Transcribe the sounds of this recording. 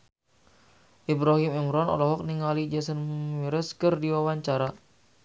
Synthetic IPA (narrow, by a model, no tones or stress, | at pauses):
ʔibɾaɦimimɾɔnɔ̰lɔɦɔk̚niŋalid͡ʒɛsənmiɾəskɨrdiwawaɲt͡ʃaɾa